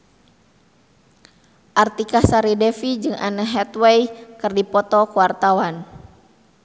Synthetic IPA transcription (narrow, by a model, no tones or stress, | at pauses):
ʔart̪ikasaɾidɛfid͡ʒɨŋʔa̰nəɦɛt̪wɛjkɨrdipɔt̪ɔkəwart̪awan